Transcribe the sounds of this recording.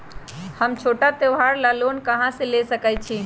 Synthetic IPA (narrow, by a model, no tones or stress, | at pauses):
həmt͡ʃʰoʈat̪eʋɦaɾlalonkəɦãsẽlesəkɛt͡ʃʰi